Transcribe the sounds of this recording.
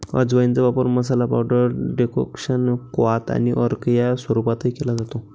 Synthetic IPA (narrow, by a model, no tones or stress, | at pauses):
ə̰d͡zʋəjint͡sabapəɾməs̬alapa̰wɖəɾɖeko̰kʂənkʋat̪a̰niʔəɾkjaswʋəɾupat̪əikelad͡zat̪o